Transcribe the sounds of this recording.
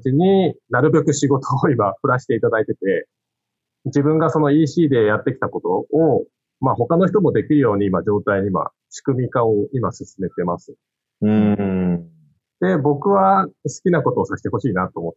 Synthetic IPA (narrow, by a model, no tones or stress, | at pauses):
t͡ɕiɲ̟inaɾɯ̟be̞kɯ̟ɕiɡo̞t̪ʰoːimaɸɯ̟ɾaɕi̥t̪e̞it̪ad̪ait̪e̞t̪e̞ | d͡ʑibɯ̟̃ŋɡaso̞no̞iːɕiːd̪e̞jat̪ːe̞kʲi̥t̪ako̞t̪o̞ː | maːɦo̞kano̞çi̥t̪o̞mo̞d̪e̞kʲiɾɯ̟jo̞ːɲ̟iːmad͡ʑo̞ːt̪aiɲima̰ | ɕi̥kɯ̟mʲikaoimasɨsɨme̞t̪e̞masɨ̥ | d̪̥e̞bo̞kɯ̟βasɨ̥kʲinako̞t̪o̞ːsaɕi̥t̪e̞ɦo̞ɕiːnat̪ːo̞ːmot̪ː